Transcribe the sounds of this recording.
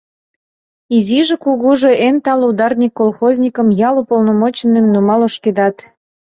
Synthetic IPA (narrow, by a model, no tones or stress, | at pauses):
iziʒĕkuɣuʒeʔent̪ɑlud̪ɑrnʲikːolˠxozʲnʲikə̆mjɑlupolnomot͡ɕənemnumɑloʃked̪ɑt̪